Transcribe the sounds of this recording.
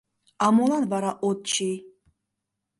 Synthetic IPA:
amolanvaɾaʔɔt̪̚t͡ʃʰi

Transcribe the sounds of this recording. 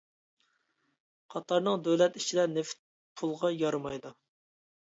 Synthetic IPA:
qʰɑt̪ʰɑɾnɨŋd̪øwlɛt̪it͡ʃʰid̪ɛnɪft̪̚ | pʰulˠʁɑjɑɾmɑjd̪u

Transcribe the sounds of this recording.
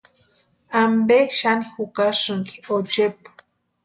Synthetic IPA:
ambeʃanixukaʂɨŋki̥ot͡ʃepu̥

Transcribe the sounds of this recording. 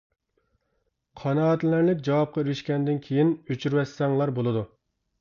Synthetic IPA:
qʰɑnɑːt̪llæɾlɪkʲd͡ʒɑwɑp̚qʰɑiɾyʃkʲɛnd̪ɪnkʲʰejinøt͡ʃʰyɾwɛsːɛŋlˠɑɾbolˠɨd̪u

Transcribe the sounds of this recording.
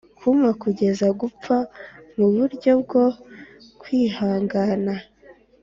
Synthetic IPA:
kʰumakuɟe̞zaɡup͡famuβuɾɟo̞b̚ɡo̞ | kwiːhaːŋɡana

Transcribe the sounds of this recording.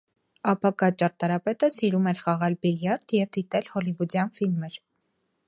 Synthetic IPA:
ɑpɑkɑt͡ʃɑɾt̪ɑɾɑpɛt̪əsiɾumɛɾχɑʁɑlbiljɑɾt̪jɛvd̪it̪ɛlhɔlivud̪jɑnfilməɾ

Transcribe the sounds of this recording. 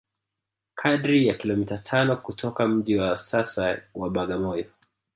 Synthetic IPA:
kʰaɗɾijakilɔmitatʰanɔkutʰɔkam̩ʄiwasasawaɓaɠamɔjɔ

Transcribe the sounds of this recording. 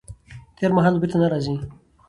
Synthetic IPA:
t̪eɾmaɦaːlobit̪anaɾazi

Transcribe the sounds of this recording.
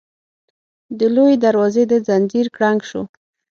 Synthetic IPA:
d̪əlojed̪aɾwɑzed̪əd͡zand͡ʒiɾkɽaŋɡʃo

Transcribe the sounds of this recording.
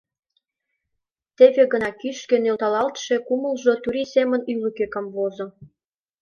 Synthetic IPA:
t̪eβeɣə̆nɑkyʃkĕnølt̪ɑlɑlt̪ʃekumə̆lʒot̪uɾisemə̆nylykekəmvozŏ

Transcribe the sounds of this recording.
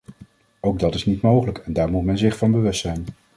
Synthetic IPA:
owɡ̚dɑtɪsnitmowχələkɛndaːɹmutmɛnzɪχfɑnbəʋɵstsɛjn

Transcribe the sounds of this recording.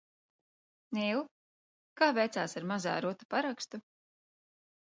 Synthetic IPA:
niw | kaːvɛjt̪saːsaɾmaza̰ːɾut̪u̥paɾakst̪u

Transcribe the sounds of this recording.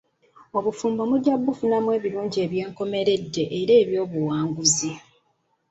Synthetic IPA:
o̞βufuːmbomudjabːufunamwe̞ːβiɾuːɲɟie̞ːβje̞ːŋko̞me̞ɾe̞dːe̞ʔeɾeːβjo̞ːβuwaːŋɡuzi

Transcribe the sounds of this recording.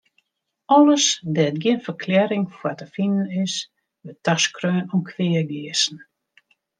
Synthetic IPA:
ɔləsdɛət̚ɡjɪənfərkʰlɛɾɪŋfwatəfinənɪs | ʋətaskrøːnunkʰʋɪəɡɪəsn̩

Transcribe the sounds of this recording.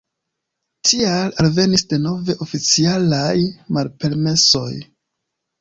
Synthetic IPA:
tʰialalve̞nisde̞no̞ve̞ʔofit͡sialajmalpe̞ɾme̞so̞̰j

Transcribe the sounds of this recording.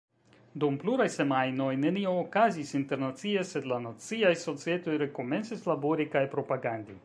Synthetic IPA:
d̪umpluɾajse̞majno̞jne̞nioːkazisinte̞ɾnat͡siese̞d̪lanat͡siajso̞t͡sie̞t̪o̞jɾe̞ko̞mensislaboɾikajpɾo̞paɡand̪i

